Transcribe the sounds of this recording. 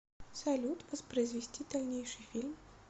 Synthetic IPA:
sɐlʲut̪vɐspɾɐjizvʲɪsʲtʲid̪alʲnʲejʂɨjfʲilʲm

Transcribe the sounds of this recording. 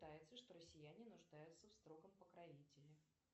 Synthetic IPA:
t̪ajɪt̪səʂt̪o̞ɾəsʲːɪjænʲɪnʊʐd̪ajʊt̪səfst̪ɾo̞ɡəmpəkɾɐvʲitʲɪlʲɪ

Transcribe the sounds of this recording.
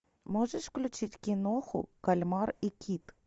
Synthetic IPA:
moʐəʂfklʲʊt͡ɕitʲkʲɪnoxʊ̰kɐlʲmɑrikʲʰit̪

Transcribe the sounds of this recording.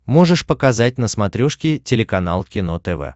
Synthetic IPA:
moʐɨʂpəkɐzat̚ʲnəsmɐt̪ɾʲoʂkʲɪtʲɪlʲɪkɐna̰lˠkʲɪno̞t̪ɛvɛ̰

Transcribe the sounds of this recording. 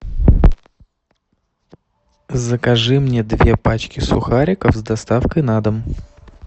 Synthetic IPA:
zəkɐʐɨmnʲed̪vʲe̞pat͡ɕkʲɪsʊ̰xaɾʲɪkəfzd̪ɐst̪afkəjnad̪əm

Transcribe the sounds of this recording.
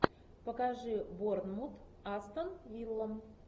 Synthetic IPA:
pəkaʐɨbornmut̪ast̪ənvʲilˠːəm

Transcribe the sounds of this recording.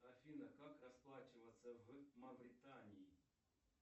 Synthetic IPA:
ɐfʲinɐkakrɐsplˠat͡ʃɪvɐsʲːɐvmɐbɾɪt̪anʲiji

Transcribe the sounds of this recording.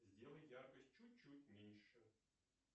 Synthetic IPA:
zʲdʲelˠəjjarkəsʲt̚ʲt͡ɕut̚ʲt͡ɕːutʲmʲenʲʂə

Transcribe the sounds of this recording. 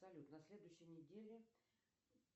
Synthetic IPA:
sɐlʲut̪nɐsʲlʲe̞d̪ʊjɕːɪjnʲɪdʲelʲɪ

